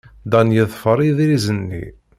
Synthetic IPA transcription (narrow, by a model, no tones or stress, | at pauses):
d̪ænjəðˤfəɾˤiðɾizənːḭ